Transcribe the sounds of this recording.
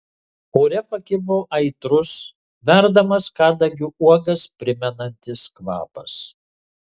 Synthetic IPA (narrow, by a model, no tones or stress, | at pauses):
oːɾʲɛpɐkʲɪboːʔɐɪt̪ɾʊs | ʋʲæɾd̪ɐmɐskɑːd̪ɐɡʲɪuɔɡɐspʲɾʲɪmʲɛnɐnʲt̪ʲɪskʋɑ̰ːpɐs